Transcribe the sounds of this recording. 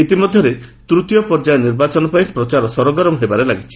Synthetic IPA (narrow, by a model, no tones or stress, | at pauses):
it̪imɔd̪ʱjɔɾet̪ɾut̪jɔpɔɾd͡ʒajɔniɾbat͡ʃɔnɔpaj̃pɾɔt͡ʃaɾɔsɔɾɔɡɔɾɔmɔɦebaɾelaɡit͡ʃʰi̥